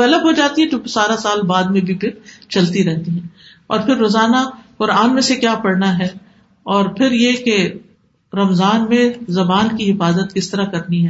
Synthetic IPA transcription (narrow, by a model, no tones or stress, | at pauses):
ɛləbɦod͡ʒaːt̪iɦɛ̃t̪õːkesaːɾasaːlbaːd̪mẽbʱipʰɪɾt͡ʃɐlt̪iɾɛɦt̪iɦɛ̃ː | ɔːɾpʰɪɾːoːzaːnaxʊɾaːnmẽsekjaːpɐɽnaɦɛː | ɔːɾpʰɪɾjeke | ɾɐmzaːnmẽzɐbaːnkiɦɪfaːzət̪̚kɪst̪ɐɾakɐɾniɦɛː